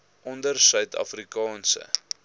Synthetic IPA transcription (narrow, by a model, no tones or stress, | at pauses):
ʔɔndərsœɥtɐ̰frikɑːnsə̰